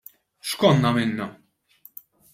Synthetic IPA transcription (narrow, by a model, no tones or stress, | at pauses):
ʃkɔnːɐmɪnːɐ